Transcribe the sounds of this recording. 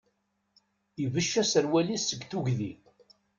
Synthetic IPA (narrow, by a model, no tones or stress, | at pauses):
ivəʃːæsəɾwælisːəɡθuʝði